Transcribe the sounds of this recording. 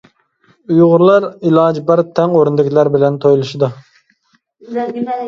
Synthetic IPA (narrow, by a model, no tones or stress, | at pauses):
ujʁʊɾlˠɑɾilˠɑd͡ʒbɑɾt̪ʰɛŋoɾund̪ɪkʲʰilæɾbɪlɛnt̪ʰojlˠɨʃɪd̪u